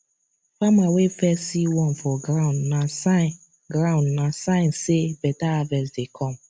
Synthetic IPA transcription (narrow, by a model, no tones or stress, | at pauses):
famawefɛsiwɔnfɔɡɾaʊ̃ndnasa | ɡɾaʊ̃ndnasãɪ̃n̩sebɛtaavɛsdekʰɔm̩